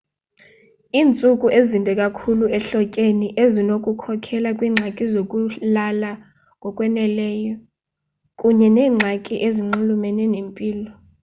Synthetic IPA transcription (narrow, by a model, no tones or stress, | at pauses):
iːnt͡sʼukʼuʔezindʱɛkʼakʰuluɛɬɔcʼeniʔezinokʼukʰɔkʰɛlakʼwiːŋ͡ǁʱakʼizok̬ʼulala | k̬ʼɔkʼwɛnɛlɛːjɔ | kʼuɲɛnɛːŋ͡ǁʱakʼiʔeziŋ͡ǃulumenɛnempʼiːlɔ